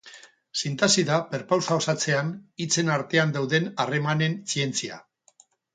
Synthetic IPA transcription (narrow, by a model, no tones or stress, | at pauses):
sint̪asiðape̞ɾpawsao̞sat͡se̞anit͡se̞naɾt̪e̞and̪awðe̞nare̞mane̞nsie̞nt͡sia̰